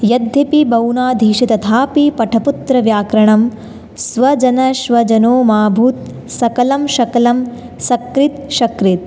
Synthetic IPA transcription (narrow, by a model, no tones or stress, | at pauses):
jɐd̪ʱːjɐpibɐwnaːd̪ʱiːʃit̪ɐt̪ʰaːpipɐʈʰɐput̪ɾɐʋjaːkɾɐɳɐm | sʋɐd͡ʒɐnɐʃʋɐd͡ʒɐnoːmaːbʱuːt̪̚ | sɐkɐlɐmʃɐkɐlɐm | sɐkɾit̪ʃɐkɾit̪̚